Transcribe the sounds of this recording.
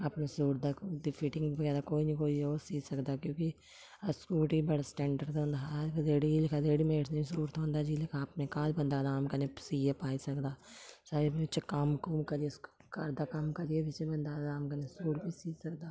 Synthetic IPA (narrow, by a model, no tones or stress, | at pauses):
apnesuːʈ̚d̪akɖipʰɪʈɪ̃ŋɡbəɡɛːɾaːkoːinĩːkoːioːsiːsəkd̪aːkjõːki | əskuːʈiːbəɽasʈɛ̃ːɳɖəɾd̪ɦõːnd̪aːkzeːɽilɪkʰazeːɽiːmeːʈsnəĩːsuːɾt̪ʰɦõːnd̪aːd͡ʒiːlɪkʰapnẽkaːlbə̃nd̪aːzaːmkəɾnẽsiːepaːisəkd̪aːsaebiɪt͡ʃkəmkumkəɾiesːkəɾd̪aːkɐmkəɾijebɪt͡ʃbənd̪aːzaːmkəɾnesuːʈbʱiːsiːsəkd̪aː